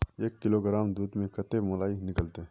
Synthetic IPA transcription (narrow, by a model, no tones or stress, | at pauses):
eːkːɪloɡɾaːmd̪uːd̪mẽkɐt̪emolaːinɪkəlt̪e